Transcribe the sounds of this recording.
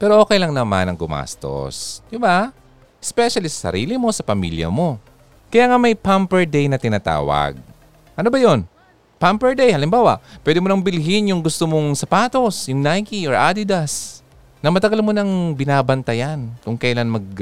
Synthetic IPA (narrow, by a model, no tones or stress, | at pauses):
pɛːɾoʔoːkɛjlɐŋnɐma̰nɐŋɡʊma̰ːst̪o̞̰sd̪ɪba | ʔɛspɛʃɐlisɐ̥sɐ̰ɾḭːlɪmo̞sɐpɐmḭljɐ̰mo̞ | kɐjaːŋamɐjpampɛɹd̪ɛjnɐt̪ɪnaːt̪a̰ːwɐ̰ɡ̚ | ʔɐnobɐjo̞n | pampɛɹd̪ɛjhɐlɪmbaːwɐ̰ʔpwɛd̪ɪmonɐŋbɪlɦɪnjʊŋɡʊst̪omoŋsɐpaːt̪o̞sjʊŋnajkiʔoɹʔad̪ɪd̪ɐs | nɐmɐt̪ɐɡalmo̞nɐŋbɪnaːbɐnt̪ɐjankʊŋkɐjlanmɐɡ̚